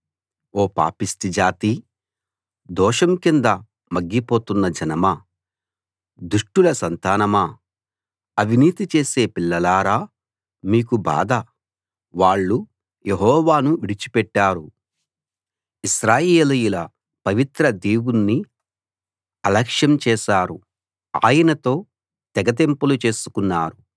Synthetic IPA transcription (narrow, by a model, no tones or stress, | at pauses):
oːpa̰ːpist̪id͡ʒaːt̪i | d̪ɔːʂɐmkind̪ɐ | mɐɡːipo̞ːt̪unːɐd͡ʒɐnɐmɐ | d̪uʂʈulɐsɐnt̪aːnɐmɐ | ɐʋʱiniːt̪it͡ʃe̞ːse̞ːpiɭːɐlaːɾaː | miːkuba̰ːd̪ɐ | ʋaːɭːu | jeɦɔːʋaːnuʋiɽit͡ʃi̥pɛʈːaːɾu | iʃɾaːjeːlujulɐ | pɐʋit̪ɾɐd̪iːwunːi | ɐlɐkʂjɐmt͡ʃɛːʃaːɾu | a̰ːjɐnɐt̪o̞ː | t̪ɛɡɐt̪̬empɐlut͡ʃe̞ːsu̥kunːaːɾu